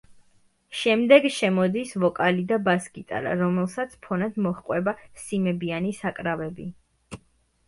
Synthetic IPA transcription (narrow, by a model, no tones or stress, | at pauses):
ʃɛmd̪ɛɡʃɛmɔd̪isvɔkʼalid̪abaskʼit̪ʼa̰ɾa̰ɾɔmɛlˠsat̪sʰpʰɔnad̪mɔχqʼwɛbasimɛbianisakʼɾavɛbi